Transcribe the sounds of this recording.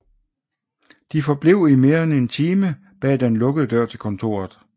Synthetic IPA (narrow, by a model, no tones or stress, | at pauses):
d̥ifɒ̽b̥le̝ʊ̰ime̝ːɐene̝nt͡sʰiːmə | b̥ɛ̰ːd̥enlɔ̽ɡ̥əð̞̩ˠəd̥ɶɐ̰t͡sʰe̝lkʰɒ̽nt͡sʰo̝̰ːɐð̩ˠ